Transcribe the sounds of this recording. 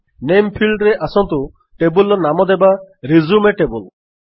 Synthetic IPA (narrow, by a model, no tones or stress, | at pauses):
nempʰilɖɾeʔasɔnt̪u | ʈebulɔnamɔd̪ebaɾizumeʈebul